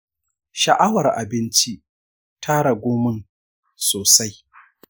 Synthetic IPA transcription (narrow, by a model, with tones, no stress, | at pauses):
ʃɐ˨ʔa˦wɐ˨rʔa˨bɪ˦nt͡ʃi˦ʔ | tʰaː˦ɽa˨ɡʷoː˦mɪ˦n | soː˨sa˦j